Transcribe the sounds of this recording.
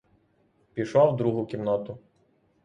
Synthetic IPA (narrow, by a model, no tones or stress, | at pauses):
pʲiʃɔwd̪ɾuɦʊkʲimnɔt̪ʊ